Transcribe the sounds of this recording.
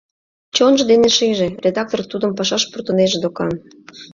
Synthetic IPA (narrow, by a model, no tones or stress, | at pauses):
t͡ɕonʒɤ̆d̪eneʃiʒĕrʲed̪ɑk̚t̪ort̪ud̪ə̆mpɑʃɑʃpurt̪ə̆neʒed̪okɑn